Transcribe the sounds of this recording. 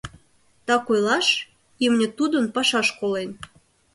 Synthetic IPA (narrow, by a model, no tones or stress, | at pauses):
t̪ɑkojlɑʃ | imnʲĕt̪ud̪ə̆npɑʃɑʃkolen